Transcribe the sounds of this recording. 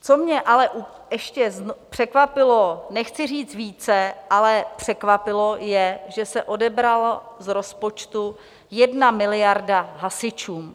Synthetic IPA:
t͡somɲɛʔalɛʔu | ɛʃcɛznpr̥ɛkvapɪlo̞nɛxt͡sɪriːt͡s̪viːt͡sɛʔalɛpr̝̥ɛkvapɪlo̞jɛʒɛsɛʔo̞dɛbɾalzɾo̞spot͡ʃt̪u | jɛdnamɪlɪjaɾdaɦasɪt͡ʃuːm

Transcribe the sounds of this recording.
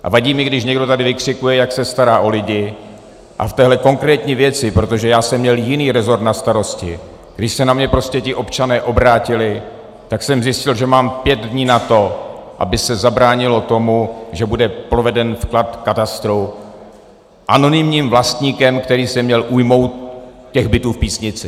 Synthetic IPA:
ʔa̰vaɟiːmɪɡdɪʃ̬ɲɛɡdo̞t̪adɪvɪkr̥ɪkujɛjaksɛst̪aɾaːʔo̞lɪɟɪ | ʔa̰ft̪ɛːɦlɛko̞ŋkɾɛːt̪ɲiːvjɛt͡sɪpɾo̞t̪o̞ʒɛjaːsɛmːɲɛljɪniːɾɛzo̞ɾt̪nast̪aɾo̞scɪ | ɡ̥dɪʃsɛnamɲɛpɾo̞scɛcɪʔo̞pt͡ʃanɛːʔo̞bɾaːcɪlɪ | t̪aksɛmzjɪscɪlʒɛmaːmpjɛd̪dɲiːnat̪o̞ʔa̰bɪsɛzabɾaːɲɪlo̞t̪o̞muʒɛbudɛpɾo̞vɛdɛnfklat̪kat̪ast̪ɾo | ʔano̞nɪmɲiːmvlast̪ɲiːkɛmkt̪ɛɾiːsɛmɲɛlʔujmo̞wt̪cːɛɣbɪt̪uːfpiːsɲɪt͡sɪ

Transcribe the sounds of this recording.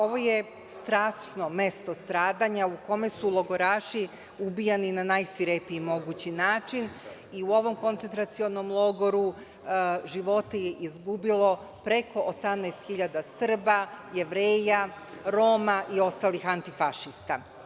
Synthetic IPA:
o̞ʋo̞je̞ | st̪ɾaːsnome̞st̪o̞st̪ɾaːd̪aɲauko̞me̞sulˠo̞ɡo̞ɾaːʃi | ubijaninanajsʋiɾepiimo̞ɡuːt͡ɕinaːt͡ʃin | iuo̞ʋo̞mko̞nt̪sent̪ɾat̪sio̞no̞mlˠo̞ɡo̞ɾu | ʒiʋo̞t̪ejeʔizɡubilˠo̞ | pɾe̞ko̞ʔosamnɛjst̪xiʎad̪asr̩bajeʋɾeːja | ɾo̞ːmaʔio̞st̪alixant̪ifaʃist̪a

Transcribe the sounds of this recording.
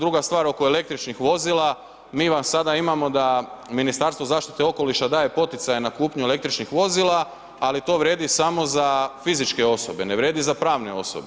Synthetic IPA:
d̪ɾuɡast̪ʋaːɾo̞ko̞ele̞k̚t̪ɾit͡ʃnixʋo̞zila | miːʋamsad̪aimamo̞d̪aminist̪aɾst̪ozaːʃt̪it̪eo̞ko̞liʃad̪aːje̞po̞t̪it̪sajenakuːpɲuele̞kt̪ɾit͡ʃnixʋo̞zilaː | lit̪o̞ːʋɾje̞ːd̪isamo̞zafizit͡ʃke̞o̞so̞be̞neʋɾje̞ːd̪izapɾaːʋneo̞̰so̰be

